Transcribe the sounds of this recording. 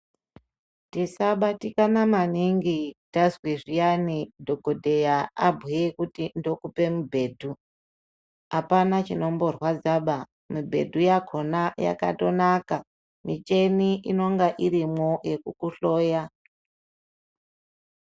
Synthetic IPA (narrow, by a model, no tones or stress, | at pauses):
tisaɓatikanamaniŋɡitazwiʐijanidʱokodʱejaa̰bʱujekutindo̞kupe̞mubʱe̞ːdʱu | apanat͡ʃino̞mbo̞rwad͡zaɓa | mubʱe̞̰dʱujakʰo̞naja̰ka̰to̞naka | mit͡ʃe̞niʔino̞ŋɡaʔiɾimo̞je̞kukuɬo̞ːja